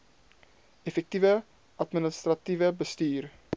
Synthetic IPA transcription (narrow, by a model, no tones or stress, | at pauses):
efɛk̚tivə | ʔɐtmənəst̪rɐtivəbəstyːr